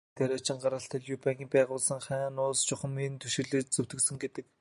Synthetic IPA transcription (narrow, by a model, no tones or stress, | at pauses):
t̪ʰæɾat͡ɕɪ̆ɴɢaɾə̆ɬt̪ʰə̆ɮjʊpæːŋɣʲiːpæːʁʊːɮsə̆ŋχæːnʊːst͡ɕʊχə̆mint̪ʰuʃɪ̆ɮɘ̆ːt͡ɕt͡sɵwt̪ɘ̆ksɵ̆ŋɡet̪ɘ̆k̚